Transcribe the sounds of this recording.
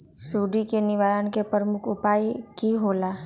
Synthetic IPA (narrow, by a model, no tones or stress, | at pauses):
suːɖikenɪʋaːɾəñkepəɾəmʊkʰʊpaːikiɦoːlaː